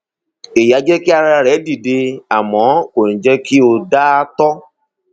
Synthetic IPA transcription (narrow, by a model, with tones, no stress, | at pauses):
e˨ja˨˦d͡ʒɛ˦ki˦a˧ɾa˦ɾa˧˨ɾɛ˨˦di˨de˧a˨mɔ̃˨˦o˨n̩˨d͡ʒɛ˦ki˦o˧da˦tɔ˦